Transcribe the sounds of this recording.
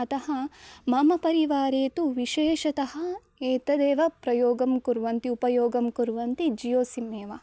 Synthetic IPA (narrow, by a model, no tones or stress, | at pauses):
ɐt̪ɐhɐmɐmɐpɐɾiʋaːɾeːt̪uʋiʃeːʃɐt̪ɐhɐ | eːt̪ɐd̪eːʋɐpɾɐjoːɡɐmkuɾʋɐnt̪iupɐjoːɡɐmkuɾʋɐnt̪id͡ʒijoːsimːeːʋɐ